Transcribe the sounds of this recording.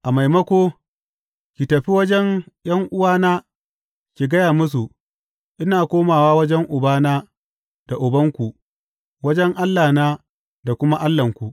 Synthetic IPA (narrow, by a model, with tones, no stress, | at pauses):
ʔa˨ma˨jmɐ˦kʷoː˦ | kʲi˨tɐ˨ɸi˦wɐ˦d͡ʒɛ˦ŋj̰ɐ˦ŋʔʊ˦waː˦naː˦ | kʲi˨ɡɐ˦jaː˨mʊ˦s̬u˨ | ʔɪ˦naː˨kʷoː˦maː˨waː˦wɐ˦d͡ʒɛ˦ŋʔʊ˨baː˦naː˦ | d̥a˨ʔʊ˨bɐ˦ŋkʷu˨ʔ | wɐ˦d͡ʒɛ˦ŋʔa˦lːaː˨naː˦ | da˨kʷʊ˦ma˦ʔa˦lːɐ˨ŋkʷu˨ʔ